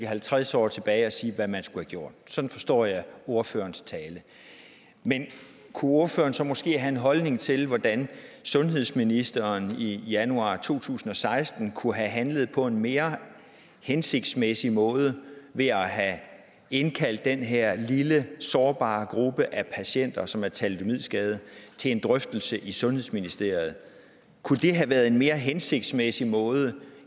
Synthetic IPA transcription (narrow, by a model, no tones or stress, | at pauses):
ɦælt͡sʰʁasɒ̰ːt͡sʰe̝b̥ɛːɪɒ̽siːʋæmænsɡ̥uhæɡ̥jo̝ɐ̰d̥̚sɒ̽d̥n̩fɒ̽sd̥ɒ̰ːjɑ̈ɪo̝ɐfø̰ːɐnst͡sʰɛːlə | men | kʰuo̝ɐfø̰ːɐnsɒ̽mɔ̽sɡ̥e̝̰ːɦæe̝nɦɒ̽lne̝ŋt͡sʰe̝lʋɒd̥ænsɔ̽nɦe̝ð̞̰ˠsminisd̥ɐnijænuɑ̈ːt͡sʰo̝̰ːt͡sʰṵːsn̩ɒ̽sɑ̈ɪsd̥n̩kʰuɦæɦænləð̞̩ˠpʰɒ̽e̝nme̝ːɐ | hense̝ɡ̥̚d̥smesimɔ̽ːð̞ˠəʋe̝æɦæ | e̝nkʰæl̰d̥ːenɦeɐ̰liləsɒːb̥ɑ̰̈ːɡ̥ʁub̥əʔæpʰæɕen̰d̥ɐsɒ̽mæɐt͡sʰæld̥ʰo̝mið̞̰ˠsɡ̥ɛːð̞ˠət͡sʰe̝le̝nd̥ʁœfd̥l̩səʔisɔ̽nhe̝ðˠsminisd̥e̝̰ɐ̰ð̞̩ˠ | kʰud̥e̝ɦæʋæːɐðˠe̝nme̝ːɐɦense̝ɡ̥̚d̥smesimɔ̽ːð̞ˠə